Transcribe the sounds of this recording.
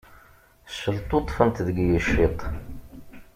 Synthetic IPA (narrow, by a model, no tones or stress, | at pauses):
səlt̪ˤot̪ˤfənt̪ðəɡjəʃːit̪ˤ